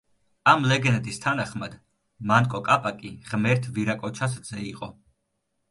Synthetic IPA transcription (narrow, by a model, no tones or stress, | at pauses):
amlɛɡɛnt̪ʼist̪ʰanaχmad̪ | mankʼɔkʼapʼakʼiʁmɛɾt̪ʰviɾakʼɔt͡ʃʰas̬zɛiqʼɔ